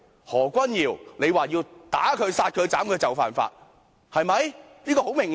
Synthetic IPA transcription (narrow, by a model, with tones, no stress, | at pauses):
hɔː˨˩kʷɐ˥njiː˨˩wne˨˧jwaː˨jiː˧wt̪a̰ː˨˥kʰɵ˨˧ɥsaː˧t̚kʰɵ˨˧ɥt͡saː˨˥mkɵ˧t͡sɐ˨˩wfa̰ː˨˩nfa̰ː˧t̚ | hɐ˨jmɐ˨˧jniː˥kɔː˧ho˨˥wmɪ˨˩ŋ